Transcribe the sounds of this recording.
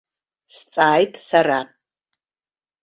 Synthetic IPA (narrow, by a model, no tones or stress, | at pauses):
st͡sʼaːjtʼsaɾa